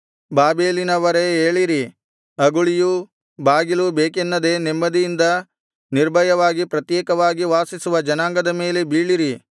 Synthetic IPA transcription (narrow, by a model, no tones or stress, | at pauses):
baːbeːlinɐʋɐɾeeːɭiɾi | ɐɡuɭiju | baːɡilubeːkenːɐd̪e̞nemːɐd̪ijind̪ɐ | niɾbʱɐjɐʋaːɡipɾɐt̪jɛːkɐʋaːɡiʋaːsisuʋɐd͡ʒɐnaːŋɡɐd̪ɐme̞ːle̞biːɭiɾi